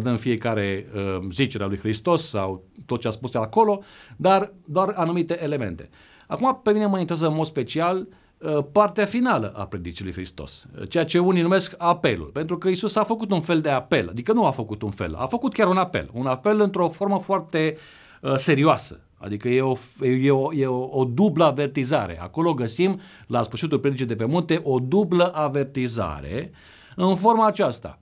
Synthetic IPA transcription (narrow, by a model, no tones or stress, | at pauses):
d̪ənfije̞kaɾe̞əzit͡ʃe̞ɾealujhɾist̪o̞sːa̰wt̪ot̪̚t͡ʃeaspuskʲaɾakolo̞d̪ard̪oaranumit̪e̞ʔele̞mḛnt̪e̞̰ | akumape̞mineməint̪ɾʲazəɨnmod̪spe̞t͡ʃial | əpart̪eafinalə̰ʔa̰pɾe̞d̪it͡ʃilujxɾist̪o̞̰st͡ʃe̞jat͡ʃe̞unijnume̞skape̞̰lṵlpent̪ɾukəisusafəkut̪unfe̞ld̪e̞ape̞lʔa̰d̪ikənuafəkut̪unfe̞̰la̰fəkut̪̚kʲaɾunapḛlunape̞lɨnt̪ɾo̞fo̞rməfoart̪e̞ | əse̞ɾioasə̥̰ | a̰d̪ikəjeojeojeood̪ubləave̞rt̪iza̰ɾe̞̰a̰ko̞lo̞ɡəsim | lasfɨɾrʃit̪ulpɾeit͡ʃejd̪ep̬emunt̪eʔo̞d̪ubləʔave̞rt̪iza̰ɾe̞̰ | ɨnfo̞rmaːt͡ʃast̪a̰